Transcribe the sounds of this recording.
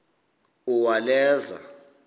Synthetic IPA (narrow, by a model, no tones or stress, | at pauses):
uwalɛːza̰